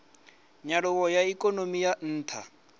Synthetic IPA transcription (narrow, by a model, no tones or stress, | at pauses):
ɲaɺʊwɔjaikʼɔnomijan̩ːtʰa̰